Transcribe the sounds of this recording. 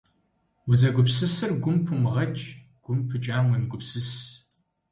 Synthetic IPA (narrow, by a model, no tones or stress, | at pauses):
wʊzɐɡʷʊpsɨsɨrɡʷʊmpʰɨmʁɐt͡ʃʼ | ɡ̥ʷʊmpʰɨt͡ʃʼaːmɐnɡʷʊpsɨs